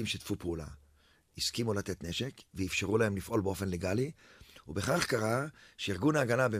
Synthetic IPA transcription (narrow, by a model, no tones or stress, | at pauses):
imʃet̪fupeula̰ | iskimulat̪e̞t̪ne̞ʃe̞kveifʃeʁulahemlifʔo̞lbeo̞fe̞nleɡaliubeχaχkaʁaʃeiʁɡunaːɡanabe